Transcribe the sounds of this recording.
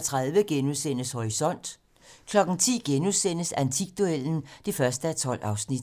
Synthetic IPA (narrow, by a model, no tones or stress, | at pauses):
t͡sʰʁað̞ˠʋəɡ̥enuðˠsen̰əshɒʁisɒ̽n̰d̥ | kʰlɒ̽ɡ̥n̩t͡sʰḭːɡ̥enuðˠsen̰əsænt͡sʰiɡ̥̚d̥uel̰n̩d̥efɶɐsd̥əæt͡sʰɒ̽l̰ʔɑ̈ʊsnid̥